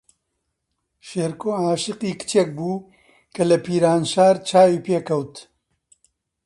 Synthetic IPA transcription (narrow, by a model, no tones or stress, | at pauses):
ʃeːɾkoːaːʃɨqiːkɨ̥t͡ʃeːk̚buː | kʰɐlɐpiːɾaːnʃaːɾt͡ʃʰaːwiːpeːkɐwt̪